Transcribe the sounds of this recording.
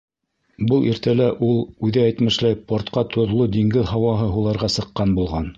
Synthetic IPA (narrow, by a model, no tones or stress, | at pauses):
bɤlˠiɾt̪ælæʔulˠʉðɘæjt̪mɘ̆ʃlæjpoɾt̪qɑt̪ʰŏðlˠod̪iŋɡɘðɦɑwɑɦɤɦulˠɑɾʁɑsɤ̆qːɑnbulˠʁɑn